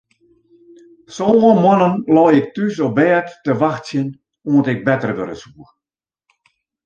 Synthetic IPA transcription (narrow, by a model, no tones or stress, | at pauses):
soːʋɔmɔnənlɔːjɪk̚tysɔbɛːtːəʋaxtsjən | uəntɪk̚bɛtərʋøɾəsuːr